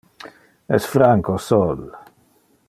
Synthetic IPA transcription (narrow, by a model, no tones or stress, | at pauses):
ɛ̰sfɾaŋkosɔl